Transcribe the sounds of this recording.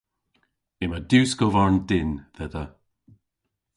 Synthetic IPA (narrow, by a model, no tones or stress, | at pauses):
ɪməd̪uːskɔvaɹndɪnðɛðə